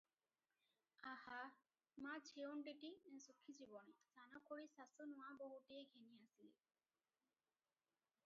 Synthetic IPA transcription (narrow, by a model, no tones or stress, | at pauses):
aha | mat͡ʃʰeonʈeʈisukʰːid͡ʑibɔnesanakʰoɽisasonuwabɔɦuʈejɡʱeniasilḭ